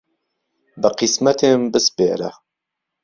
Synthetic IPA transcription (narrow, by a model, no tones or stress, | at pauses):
bɨqismɐt̪ʰeːmbɨspḛːɾɐ̰